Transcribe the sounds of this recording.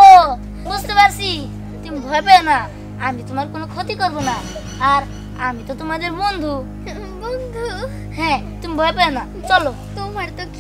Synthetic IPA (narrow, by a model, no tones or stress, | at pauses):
o | bust̪ɔbaɾsi | t̪umibʱɔjpɛna | amit̪umaɾɔkonɔkʰɔt̪ikɔɾbɔnaː | ɾ | amit̪ɔt̪umad̪eɾbɔnd̪ʱu | bɔnd̪ʱu | ɦɛ̃ | t̪umibʱɔjpɛɔna | t͡ʃɔlo | t̪umaɾt̪ɔk